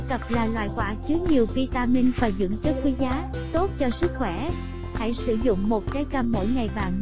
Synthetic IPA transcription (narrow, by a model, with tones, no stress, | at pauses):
kə˨˩p̚laː˨˩lwa̰ː˧˨jkwaː˧˥t͡ɕɨ˨˦əɲi˨˩əwki˧t̪aː˧mi˧nfaː˨˩jzɨ̰˧˥ŋt͡ɕə˦˥t̚kwi˨˦zaː˨˦ | t̪o˦˥t̚t͡ɕɔ˧sɨ˦˥k̚xwɛ˧˩ | ha̰˧˥jsɨ˧˩zʊ̰˧˨ŋ͡mmo˨˩t̚t͡ɕaː˨˦jkə˧˩mːo̰˧˥jŋa˨˩jɓaː˨˩ŋ